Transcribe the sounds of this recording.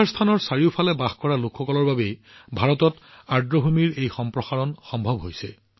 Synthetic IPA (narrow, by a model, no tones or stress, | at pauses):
aɹst̪ʰanɔɹsaɹiʊpʰalɛbaxkɔɹalokʰxɔkɔlɔɹbabej | bʱaɹɔtɔt | aɹdɹɔbʱumiɹejxɔmpɹɔxaɹɔnxɔmbʱɔbɦojsɛ